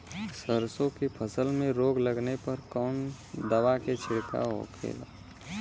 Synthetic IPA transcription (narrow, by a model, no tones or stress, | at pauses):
səɾsõkepʰəsəlmẽɾoːɡləɡnepɐɾkɔːn | d̪əʋaket͡ʃʰɪɽka̰ɦo̰kʰḛːla̰ː